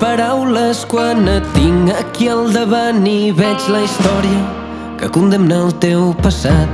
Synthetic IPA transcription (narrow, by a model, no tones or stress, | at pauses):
pəɾawləskwanət̪iŋəkiəlˠd̪əβaniβɛd͡ʒləist̪ɔɾiə | kəkund̪əmnaːlˠt̪ewpəsat̪̚